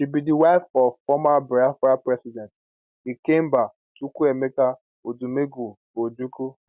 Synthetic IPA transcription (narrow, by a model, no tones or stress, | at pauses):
ʃibidiwaɪfɔvfɔmabɾiafɾapɾɛsidɛ̃nt | ikem̩ba | tukuemeka | odumeɡu | od͡ʒuku